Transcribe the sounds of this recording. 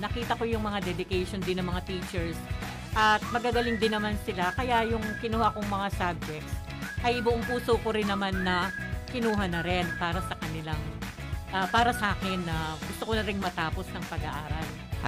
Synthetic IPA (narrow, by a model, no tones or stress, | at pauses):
nɐkiːt̪ɐko̞jʊŋmɐŋad̪ɛd̪ɪkɛjʃo̞nd̪ɪnːɐŋmɐŋat̪iːt͡ʃɛɹs | ʔɐt̪̚mɐɡaɡɐlɪŋd̪ɪnːɐmansɪlakɐjaʔjʊŋkɪnʊhakoŋmɐŋasab̚d͡ʒɛk̚t̪s | ʔɐjbʊʔoŋpuːsokoɾɪnːɐmanːɐkɪnuːɦɐnɐɾɪnpaːɾɐsɐkɐnɪlaŋ | ʔɐpaːɾɐsʔaːkɛnːɐɡʊst̪okonɐɾɪŋmɐt̪aːpo̞snɐŋpɐɡɐʔaːɾɐl